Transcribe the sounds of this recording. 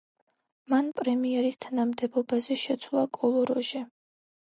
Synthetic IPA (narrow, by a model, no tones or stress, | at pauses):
manpʼɾɛmiɛɾist̪ʰanamd̪ɛbɔbazɛʃɛt̪sʰwlˠakʼɔlˠɔɾɔʒɛ